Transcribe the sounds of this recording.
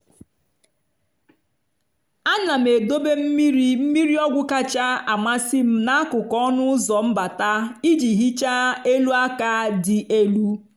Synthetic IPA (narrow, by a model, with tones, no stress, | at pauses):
a˦na˨m̩˨e˨do˦be˦m̩˦mi˦ɾi˦m̩˦mi˦ɾi˦ɔ˦ɡʷʊ˦ka˦t͡ʃa˦a˨ma˦si˦m̩˦na˦a˦kʊ˨kɔ˦nʊ˦ʊ˦zɔ˨m̩˦ba˨ta˦i˦d͡ʒi˨ɦi˦t͡ʃa˦e˦lu˦a˦ka˦dɪ˨ʔe˦lu˦